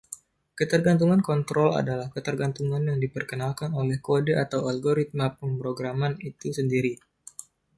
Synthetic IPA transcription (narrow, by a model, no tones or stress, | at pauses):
kət̪ərɡant̪̬uŋankɔnt̪ɾɔla̰dalahkət̪ərɡant̪uŋanjaŋdipərkənalkanolɛhkodəʔat̪awalɡoɾit̪̚mapəmpɾoɡɾamanit̪usəndiɾi